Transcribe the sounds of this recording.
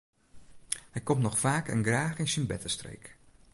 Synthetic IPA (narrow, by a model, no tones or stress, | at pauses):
hɛjkɔmtnɔxfaːkə̰nɡraːxɪnsənbɛtəstrḛjk